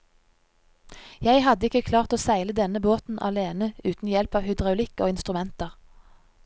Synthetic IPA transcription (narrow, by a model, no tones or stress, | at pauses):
jæɪhɑd̪əɪkəkʰlɑːʁt̪oːsæɪləd̪ɛnəboːt̪n̩ʔɑ̰leːnəʉːt̪n̩jɛlpɑːʋhʏd̪ʁɑʊlɪko̰ːɪnst̪ʁʉmɛnt̪əʁ